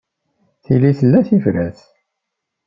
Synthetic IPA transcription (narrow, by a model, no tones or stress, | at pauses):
θiliθəlːæθivɾæθ